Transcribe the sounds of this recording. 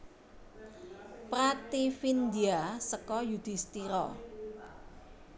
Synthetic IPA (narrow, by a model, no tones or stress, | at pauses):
pɾat̪ifind̪iasəkɔjud̪̥i̤st̪iɾɔ̰